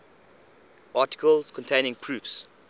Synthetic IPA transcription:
ʔɑːˑtɪ̥kʰəlz̥kʰɔ̃ntʰẽɪ̃nɪ̃ŋpʰɹufs

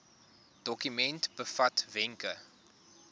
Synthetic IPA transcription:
d̥ɔkymɛntb̥əfɐtvɛŋkə

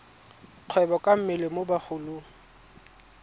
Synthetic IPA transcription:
q͡χʰwɛbɔkʼam̩mɪlɪmobaχʊlʊ

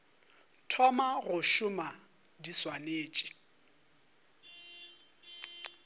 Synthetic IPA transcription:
tʰɔmaɣʊʃʊma | diswaneːt͡ʃʼi̥

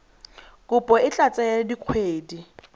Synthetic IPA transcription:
kʼʊpʼɔɪt͡ɬat͡sʼɛjadiq͡χʰweːdi

